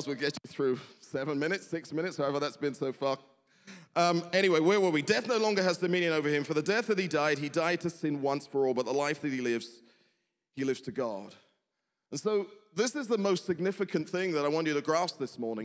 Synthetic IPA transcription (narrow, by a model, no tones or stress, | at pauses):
zwɨɡɛt͡ʃɨθɹʉsɛvə̃nmɪ̃ñɨtsɪksmɪ̃ñɨtshaʊɛvə˞ðætsb̥ɨ̃nsoʊfʌk̚ | ʔʌ̃mɛɾ̃iweɪwə˞wəwidɛθnoʊlɔ̃ŋɡə˞ɨzdɨmɪ̃njɨ̃ñoʊvə˞ɨ̃ɱfə˞ðɨdɛθðɨt̚hidaɪd̚idaɪd̚tʰɨsɪ̃nwʌ̃nsfə˞ɔlˠbʌt̪̚ðəlaɪfðɨt̚hilɪvz̥ | ilɪvz̥tʰɨɡɑ̰d̥ | ə̃n̩soʊðɪsɨzðəmoʊstsɨɡ̚nɪfɨkɨ̃nθɪ̃ŋðəɾaɪwɑ̃nt͡ʃɨɾɨɡɹæsðɪsmɔɹnɪ̃ŋ